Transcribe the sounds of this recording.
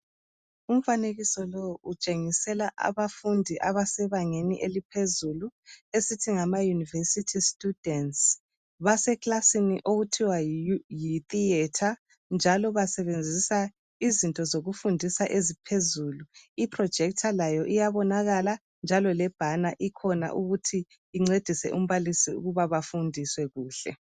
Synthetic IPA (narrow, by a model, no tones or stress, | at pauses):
um̩faneɣisɔlɔut͡ʃʼeŋisɛlaʔa̰βafundʱiʔaβasɛβaŋeniʔelipʰezuluesitʰiŋamajunivesitʰistʼud̥ɛns | βasɛklasiniʔoɣutʰiwajiθiɛtʰa | nd͡ʒʱalɔβasɛβend͡zʱisa | izintʼɔzoɣufundʱisaʔezipʰezuːluipʰʼrɔd̥ʒ̥ʱɛk̚tʰalajɔʔijaβɔnaɣala | nd͡ʒʱalɔlɛb̥ʱanaʔikʰɔna̰ʔuɣutʰiː | ŋ͡ǀed̥ʱisɛ̰ʔum̩βalisiṵɣuβaβafundʱiswɛɣuːɬɛ̰